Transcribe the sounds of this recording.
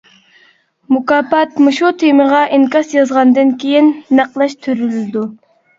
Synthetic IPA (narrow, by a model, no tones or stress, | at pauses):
mukɑːpɑt̪mɨʃut̪ʰeməʁɑʔiŋkɑsjɑzʁɑnd̪ɨnkʲʰejinːæqlˠɑʃt̪ʰøɾylɪd̪u